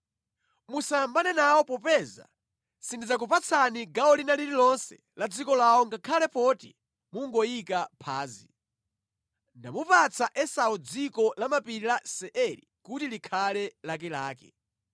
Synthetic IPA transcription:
musambanɛnaɔpɔpɛza̰ | sindid͡zak̬upat͡sʰaniɡaɔlinaliɾilɔnsɛ̰lad͡zikɔlaɔŋɡakʰalɛpɔtḭ | muŋɡɔjikapʰaːzḭ | ndamupat͡sʰaʔɛsaɔd͡zikɔlamapiɾilasɛʔɛɾḭ | kutilikʰalɛlak̬ɛlaːkɛ̰

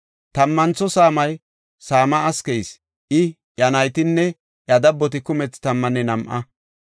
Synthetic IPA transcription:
t̪ɐmːɐnt͡sːɔsaːmɐj | saːmɐːskɛjs | ʔɪ | jɐnɐjt̪ɪnːɛ | jɐd̪ɐbːɔt̪̬ɪkʊmɛt͡st̪ɐmːɐnɛnɐmʔɐ

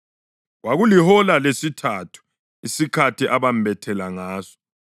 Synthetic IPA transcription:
waɣulihɔlalesitʰatʰu̥ | isikʰatʰiʔaβambɛtʰɛlaŋaːsɔ̥

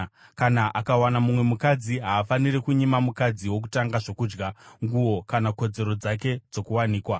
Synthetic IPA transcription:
kanaʔakawanamumwe̞mukad͡ziɦaːfanirekuɲimamukad͡ziwo̞k̬u̥taŋɡaʐo̞kuːd͡ʒɡaŋɡuwo̞kanako̞d͡ze̞ɾo̞d͡zak̬e̞d͡zo̞kuwaniːkwa

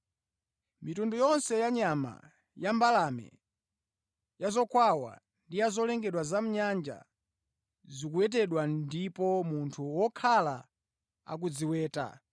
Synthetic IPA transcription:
mitundujɔnsɛjaɲama̰ | jambalamɛ̰ | jazɔkʰwawa̰ | ndijazɔlɛŋɡɛɗwazam̩ɲand͡ʒa̰ | zikuwɛt̬ɛɗwandipɔmuntʰuwɔkʰala | a̰k̬ud͡ziwɛːta̰

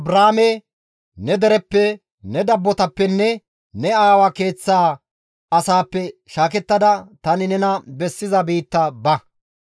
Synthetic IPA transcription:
ɐbɾaːmɛ | nɛd̪ɛɾɛpːɛ | nɛd̪ɐbːɔt̪ɐpːɛnːɛ | nɛaːwake̞ːt͡sːaː | ɐsaːpːɛʃaːkɛt̪ːɐd̪ɐt̪ɐnɪnɛnɐbɛsːɪzɐbiːt̪ːɐbɐ

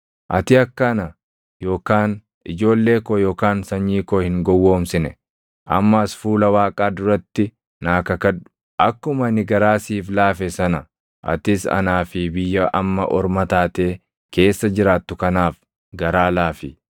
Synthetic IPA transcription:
ʔɐ̰t̪ɪɐkːɐnɐ | jo̞ːkaːn | ɪd͡ʒo̞ːlːe̞ːkoːjo̞ːkaːnsɐɲːiːkoːhɪŋɡɔwːo̞ːmsɪnɛ | ʔɐ̰mːɐsfuːlɐwaːkʼaːd̪ʊɾɐt̪ːɪ | naːkɐkɐᶑʊ̥ | ʔɐkːʊmɐnɪɡɐɾaːsiːflaːfɛsɐnɐ | ʔɐ̰t̪ɪsɐ̰naːfɪbɪjːɐʔɐ̰mːɐ̰ʔɔɾmɐt̪aːt̪e̞ː | ke̞ːsːɐd͡ʒɪɾaːt̪ːʊkɐnaːf | ɡɐɾaːlaːfɪ

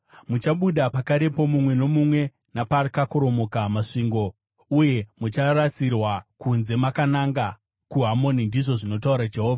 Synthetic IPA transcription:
mut͡ʃaɓuɗapakaɾe̞po̞mumwe̞no̞mumwe̞ | naparkakoɾo̞mo̞kamaʂiːŋɡo̞ | uje̞mut͡ʃarat͡sirwakunze̞makanaŋɡa | kuɦamo̞nindiʐo̞ʐino̞tauɾad͡ʒe̞ɦoːvʱa

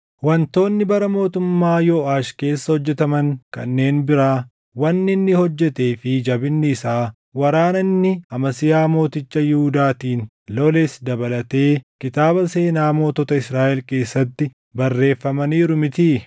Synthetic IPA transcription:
wɐnt̪o̞ːnːɪbɐɾɐmo̞ːt̪ʊmːaːjoːʔaːʃke̞ːsːɐhɔd͡ʒːɛt̪ɐmɐŋkɐ̰nːe̞ːnbɪɾaː | wɐnːɪnːɪhɔd͡ʒːɛt̪e̞ːfɪd͡ʒɐbɪnːɪsaː | wɐɾaːnɐnːɪɐmɐsɪjaːmo̞ːt̪ɪt͡ʃːɐjɪhʊd̪aːt̪iːn | loːlesd̪ɐbɐlɐt̪e̞ːkɪt̪aːbɐse̞ːnaːmo̞ːt̪ɔt̪ɐɪsɾaːʔɛlke̞ːsːɐt̪ːɪ | bɐrːe̞ːfːɐmɐniːɾʊmɪt̪iː

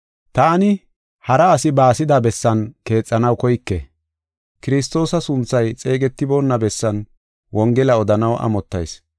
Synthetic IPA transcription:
t̪aːnɪ | hɐɾɐːsɪbaːsɪd̪abɛsːɐnke̞ːt͡sʼːɐnɐwkɔjkːɛ | kɪɾɪs̬t̪ːo̞ːsɐsʊnt͡sːɐjt͡sʼe̞ːɡɛt̪ːɪbo̞ːnːɐbɛsːɐn | wɔŋɡɛlɐɔd̪ɐnɐwʔɐ̰mɔt̪ːɐ̰js

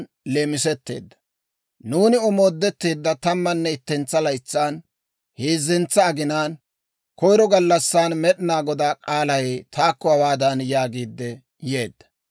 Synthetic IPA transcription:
leːmɪsɛt̪ːe̞̰ːd̪ːɐ̥ | nuːnɪɔmo̞ːd̪ːɛt̪ːe̞ːd̪ːɐt̪ɐmːɐnːɛɪt̪ːɛnt͡sːɐlɐjt͡sːaːn | hieːzːɪnt͡sːɐːɡɪnaːn | kɔjɾɔɡɐlːɐsːaːnmɛɗɪnaːɡɔd̪aːkʼaːlɐjt̪ʰaːkːɔɐwaːd̪ɐnjaːɡiːd̪ːɛ | jeːd̪ːɐ̥

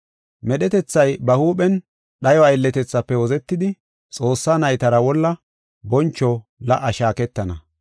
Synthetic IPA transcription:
mɛɗɛt̪ɛt͡sːɐjbɐhuːpɛn | ɗɐjɔɐjlːɛt̪ɛt͡sːɐpːɛwɔzɛt̪ːɪd̪ɪ | t͡sʼo̞ːsːanɐjt̪ɐɾɐwɔlːɐ | bɔnt͡ʃːɔlɐʔɐʃaːkɛt̪ːɐnɐ

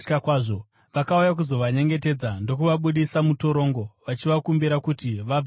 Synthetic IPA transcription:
kakwaːʐo | ʋakaujakuzo̞ʋaɲe̞ŋɡe̞te̞d͡zando̞kuʋaɓuɗisamuto̞ɾo̞ːŋɡo̞ʋat͡ʃiʋakumbiɾakutiʋa

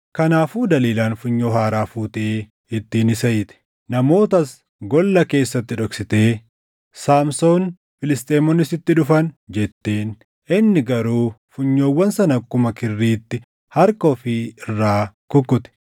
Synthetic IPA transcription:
kɐnaːfuːd̪ɐliːlaːnfʊɲːo̞ːhaːɾaːfuːt̪eː | ɪt̪ːiːnɪsɐjɪt̪ɛ̥ | nɐmo̞ːt̪ɐs | ɡɔlːɐke̞ːsːɐt̪ːɪᶑɔksɪt̪e̞ː | saːmso̞ːn | fɪlɪst̪ʼeːmɔnːɪsɪt̪ːɪᶑʊfɐnd͡ʒɛt̪ːeːn | ɪnːɪɡɐɾuːfʊɲːoːwːɐnsɐnɐkːʊmɐkɪrːiːt̪ːɪ | hɐɾkoːfɪɪrːaːkʊkːʊt̪ɛ̥

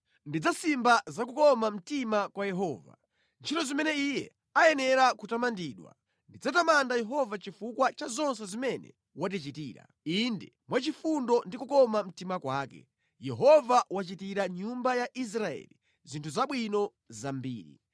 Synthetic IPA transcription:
ndid͡zasimbazakukɔmam̩timakwajɛɦɔːva̰ | nt͡ʃʰitɔzimɛnɛijɛ̰ | ajɛnɛɾakutamandiːɗwa̰ | ndid͡zatamandajɛɦɔvat͡ʃifukwat͡ʃazɔnsɛzimɛnɛ̰ | wat̬it͡ʃitiːɾa̰ | indɛ | mwat͡ʃifundɔndikukɔmam̩timakwaːkɛ̰ | jɛɦɔvawat͡ʃitiɾaɲumbajaʔis̬ɾaɛ̰li | zintʰuzaɓwinɔ | zambḭːɾḭ

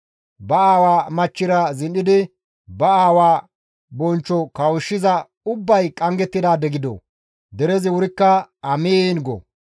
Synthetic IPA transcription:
bɐaːwaːmɐt͡ʃːɪɾɐzɪnɪd̪ɪ | bɐaːwaː | bɔnt͡ʃːɔkɐwʊʃːɪzɐ | ʊbːɐjkʼɐŋɡɛt̪ːɪd̪aːd̪ɛɡɪd̪ɔ̰ | d̪ɛɾɛzɪwʊɾɪkːɐɐmeːnɡɔ̰

